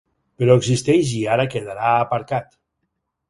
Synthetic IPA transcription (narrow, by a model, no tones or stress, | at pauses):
peɾɔeɡzist̪ɛʃ̬iaɾakeðaɾaːpaɾkat̪